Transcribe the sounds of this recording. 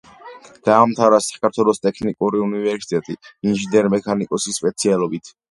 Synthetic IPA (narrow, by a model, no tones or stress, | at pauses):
d̪̥aːmt̪ʰaɾasḁkʰaɾt̪ʰwɛlˠɔst̪ʼɛkʰnikʼuɾiunivɛɾsit̪ʼɛt̪ʼiinʒinɛɾmɛkʰanikʼɔsisːpʼɛt̪sʰialˠɔbit̪ʰ